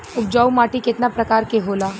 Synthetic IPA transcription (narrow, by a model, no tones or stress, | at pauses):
ʊp̚d͡ʒaːumaːʈikɪt̪napɾɐkaːɾkeɦoːlaː